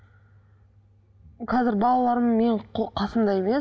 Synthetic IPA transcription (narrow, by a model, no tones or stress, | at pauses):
qʰɑzɪɾbɑlˠɑlˠɑɾəmme̞ɴqʰɑsənd̪ɑje̞me̞